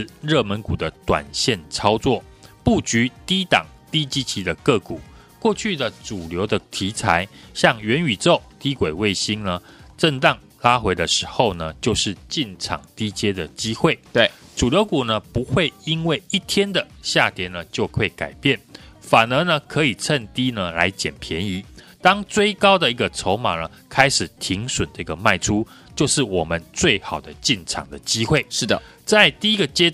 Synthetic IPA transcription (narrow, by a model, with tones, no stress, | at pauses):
ɻə˥˨mə˧˦nku˨˩d̪ə˦t̪wa̰˨˩nɕjɛ˥˨nt͡sʰɑ˥ʊt͡swɔ˥˩ | pu˥˩t͡ɕy˧˥˦t̪i˥t̪ɑ˨˩ŋ | t̪i˥t͡ɕi˦˥t͡ɕʰi˧˥d̪ə˨kɤ˥˩ku˨˩ | kwɔ˥˧t͡ɕʰy˥˨d̪ə˨ʈ͡ʂu˨˩ljo˧˥ʊd̪ə˧t̪ʰi˧˥t͡sʰa˧˥ɪɕjɑ˥˩ŋɥɛ˧˦ny˨˩t͡so˥˨ʊt̪i˦˥kwe˨˩ɪwe˥˩ɪɕi˥ŋnə˨ | ʈ͡ʂə˥˧ŋt̪ɑ˥˩ŋ | la˥xwe˧˥ɪdə˨ʂɻ̩˧˥xo˥˧ʊnə˩t͡ɕjo˥˧ʊʂɻ̩˥˨t͡ɕi˥˩nʈ͡ʂʰɑ̰˨˩ŋt̪i˥t͡ɕjɛ˥d̪ə˨t͡ɕi˥xwe˥˩ɪʈ͡ʂu˨˩ljo˧˦ʊku˨˩nə˨pu˧˥xwe˥˩ɪi˥nwe˥˩ɪi˥˩t̪ʰjɛ˥nd̪ə˨ɕja˥˩t̪jɛ˧˥nə˨t͡ɕjo˥˧ʊkʰwe˥˩ɪka˨˩ɪpjɛ˥˩nfa˨˩nə˧˥nə˧kʰɤ˧˥i˨˩t͡sʰə˥˧nt̪i˥nə˨la̰˧˥ɪt͡ɕjɛ˨˩npʰjɛ˧˦ni˧˥˦ | t̪ɑ˥ŋt͡swe˥˩ɪkɑ˥ʊd̪ə˨i˧˥ɡə˨t͡sʰo˧˥ʊma̰˨˩nə˩˦ | kʰa˥ɪʂɻ̩˨˩t̪ʰi˨˧˥ŋʂwə˨˩nd̪ə˧i˧ɡə˨ma˥˩ɪʈ͡ʂʰu˦ | t͡ɕjo˥˧ʊʂɻ̩˥˩wɔ˨˩mə˦nt͡swe˥˩ɪxɑ˨˩ʊd̪ə˦t͡ɕi˥˩nʈ͡ʂʰɑ̰˨˩ŋd̪ə˦t͡ɕi˥xwe˥˩ɪʂɻ̩˥˩d̪ə˨t͡sa˥˧ɪt̪i˥˧i˥ɡə˨t͡ɕjɛ˥